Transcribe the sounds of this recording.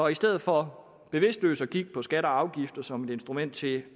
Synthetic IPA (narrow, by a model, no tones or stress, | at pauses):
ɒ̽isd̥eð̰ˠð̩ˠfɒ̽ | b̥e̝ʋe̝sd̥lø̰ːsɒkʰiɡ̥̚pʰɒ̽sɡ̥æɾ̥ɐɑ̈ʊɡ̥ifd̥ɐsɒ̽me̝d̥e̝nsd̥ʁumen̰d̥̚t͡sʰe̝